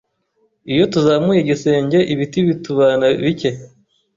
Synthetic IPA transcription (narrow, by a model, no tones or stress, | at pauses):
ijo̞tuzaːmŋujeɟise̞ːɲɟe̞ʔiβitiβituβanaβice̞